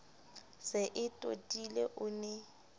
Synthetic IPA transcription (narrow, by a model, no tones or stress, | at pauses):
sɪʔɪtʼo̰tʼileʔʊnɛ